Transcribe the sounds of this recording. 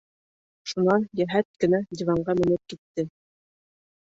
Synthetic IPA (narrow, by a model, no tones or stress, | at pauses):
ʃunɑnjæɦæt̪̚kɘ̆nædʲivɑɴɢɑmɘ̆nɘp̚kit̪ːɘ